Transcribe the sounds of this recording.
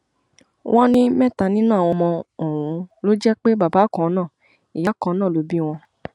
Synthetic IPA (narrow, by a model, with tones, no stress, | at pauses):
w̃ʔɔ̃˦nĩ˦mɛ̃˦˨ta˨˧˨nĩ˦nũ˦˨w̃ɔ̃˧mɔ̃˧ɔ˨wũ˨˧lo˦d͡ʒɛ˦k͡pe˦ba˨ba˨˦kɔ̃˨˧nã˦˨ | i˨ja˨˦kɔ̃˧˦nãː˦˨lo˨˦bi˦w̃ɔ̃˧